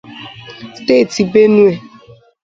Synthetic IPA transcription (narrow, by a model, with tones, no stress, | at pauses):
steː˦˨ti˨be˦nu˦e˨